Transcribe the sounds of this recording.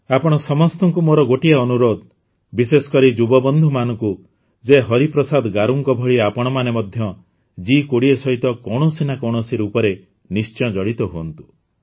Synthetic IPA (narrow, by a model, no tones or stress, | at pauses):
apɔɽ̃ɔsɔmɔst̪ɔŋkumoɾɔɡoʈiaɔnuɾod̪ | bisesɔ̥kɔɾid͡ʒubɔbɔnd̪ʱumanɔŋku | d͡ʒeɦɔɾipɾɔsad̪ɡaɾuŋkɔbʱɔɭiapɔɽ̃ɔmanemɔd̪ʱjɔ | d͡ʒikoɽiesɔɦit̪ɔkɔɽ̃ɔsinakɔɽ̃ɔsiɾupɔɾe | nist͡ʃɔ̃d͡ʒɔɽit̪ɔɦuɔnt̪u̥